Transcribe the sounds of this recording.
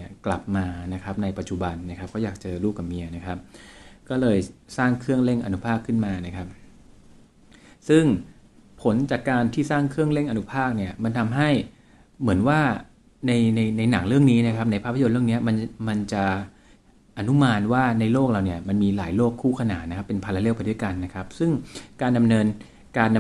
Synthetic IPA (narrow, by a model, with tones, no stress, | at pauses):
ɐkla˨˩p̚maː˧na˦˥kʰa˦˥p̚na˧jpa˨˩t̪̚t͡ɕu˨˩ba˧nːa˦˥kʰa˦p̚kɔː˥˩jaː˨˩k̚t͡ɕɤː˧ɾuː˥˩k̚ːa˨˩mi˧əna˦˥kʰa˦˥p̚kɔː˥˩lɤː˧jsaː˥˩ŋkʰɯ˥˩əŋle˥˩ŋʔa˧nu˦˥pʰaː˥˩kʰːɯ˥˩nmaː˧na˦˥kʰa˦˥p̚ | sɯ˥˩ŋ | pʰo˨˩˦nt͡ɕaː˨˩kːaː˧nt̪ʰiː˥˩saː˥˩ŋkʰɯ˥˩əŋle˥˩ŋʔa˧nu˦˥pʰaː˥˩k̚ni˥˩ɐma˧nt̪ʰa˧mɦa˥˩j | mɯ˩˦ənwaː˥˩ | na˧jna˧jna˧jna˩˦ŋɾɯ˥˩əŋniː˦˥na˦˥kʰa˦˥p̚na˧jpʰaː˦˥˩pʰːa˨jo˧nɾɯ˥˩ə˨ni˦˥ɐma˧nma˧nt͡ɕa˨˩ | ʔa˧nu˦˥maː˧nwaː˥˩na˧jloː˥˩k̚laː˧wni˥˩ɐma˧nmiː˧la̰ː˩˦jloː˥˩kʰːuː˥˩kʰa˧na̰ː˩˦t̪na˦˥kʰa˦˥pːe˧npʰaː˧la˧˦le˥˩wpa˧jdu˥˩jka˧nːa˦˥kʰa˦˥p̚sɯ˥˩ŋkaː˧nda˧mnɤː˧n | kaː˧n